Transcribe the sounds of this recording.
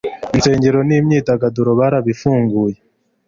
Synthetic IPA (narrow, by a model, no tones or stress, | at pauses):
inse̞ːɲɟeɾo̞niːmɲiːtaɡaduɾoβaɾaβifuːŋɡuːje